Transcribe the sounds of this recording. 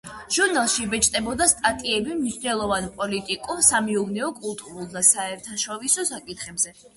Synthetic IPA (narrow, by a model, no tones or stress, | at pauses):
ʒ̥uɾnalˠʃibɛt͡ʃʼt̪ʼɛbɔd̪ast̪ʼat̪ʼiɛbimniʃnɛlˠɔvanpʼɔlit̪ʼikʼuɾsamɛuvnɛɔkʼulˠt̪ʼuɾulˠd̪asaɛɾt̪ʰaʃɔvisɔsakʼit̪ʰχɛbzɛ